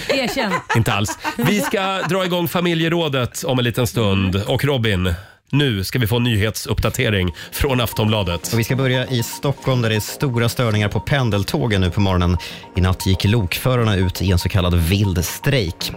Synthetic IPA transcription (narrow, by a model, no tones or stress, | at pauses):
eːɛnɪnt̪əa̰lsvɪskad̪ɾɑːɪɡɔŋːfamɪljəɾoːd̪ət̪ɔmɛnliːt̪ənst̪ɵnd̪ɔkɾɔbɪnː | ʉ̟ːskavɪfoːɛnːyːɦeːt̪sɵpːd̪at̪ʰeːɾɪŋfɾɔnaft̪ɔmblɑːd̪ət̪ɔvɪskabœɾjaʔɪst̪ɔkʰːɔlmd̪æɖɛæst̪uːɾast̪œːɳɪŋaɾpʰɔpʰɛnd̪əlt̪ʰoːɡənːʉ̟ːpʰɔmɔɾɔnən | ɪnat̪ʰːjɪkːluːkfœːɾaɳaʉ̟ːt̪ʰɪɛnsɔkʰalːad̪vɪld̪st̪ɾɛjk